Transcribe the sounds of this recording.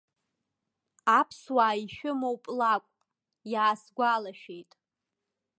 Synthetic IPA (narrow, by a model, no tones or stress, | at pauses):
apʰswaːiʃᶣʊmowpʼlakʷʼ | jaːsɡʷalaʃᶣejtʼ